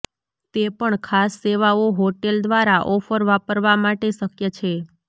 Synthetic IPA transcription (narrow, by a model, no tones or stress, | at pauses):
t̪epəɳkʰasːeʋaoɦoʈeld̪ʋaɾaʔɔfəɾʋapəɾʋamaʈeʃəkjət͡ʃʰe